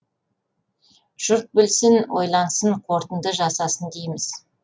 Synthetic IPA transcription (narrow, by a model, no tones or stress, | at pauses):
ʒ̥ʊɾt̪̚bɪlsɪnwo̞̰jlˠɑɴsəɴqʰo̞ɾt̪ənd̪əʒɑsɑsənd̪ejmɪz̥